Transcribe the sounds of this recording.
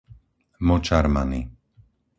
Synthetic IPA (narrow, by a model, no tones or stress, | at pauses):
mɔt͡ʃaɾmani